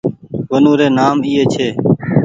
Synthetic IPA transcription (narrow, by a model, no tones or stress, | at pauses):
ʋənũːɾeːnaːmiːeːt͡ʃʰeː